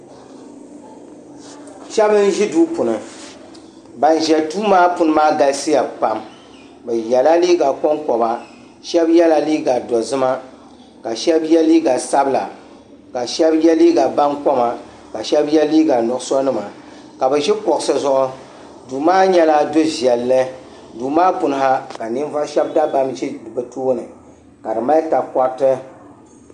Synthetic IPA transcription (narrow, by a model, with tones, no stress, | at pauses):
ʃɛ˦bɨ˦n˦ʒi˦duː˦pʊ˨nɨ˨ | ba˨n˨ʒɛ˨tuː˦maː˦pʊ˨nɨ˦maː˦ɡa˦lsi˦ja˨pa˨m | bɛ˨jɛ˨la˦liː˦ɡa˨kɔ˦ŋkɔ˨ba˨ | ʃɛ˦bjɛ˦la˨liː˦ɡa˨dɔ˨zɨ˦ma˦ | ka˨ʃɛ˦bjɛ˦liː˦ɡa˨sa˦bɨ˦la̰˨ | ka˨ʃɛ˦bjɛ˦liː˦ɡa˨ba˦nkɔ˦ma˨ | ka˨ʃɛ˦bjɛ˦liː˦ɡa˨nʊ˨ʔsɔ˦nɨ˦ma˨ | ka˨bɛ˨ʒi˦kɔ˨ksɨ˦zʊ˦ʔʊ˦ | duː˨maː˦ɲɛ˦la˦do˦ʒɛ˨lːɨ˦ | duː˨maː˦pʊ˨nɨ˦ɦa˦ka˨nɨ˦n˦va˦ʃɛ˦bda˦ba˨˦mʒbɨ˨tʰoː˦nɨ˨ | ka˨dɨ˨ma˦ta˨kɔ˦tɨ˦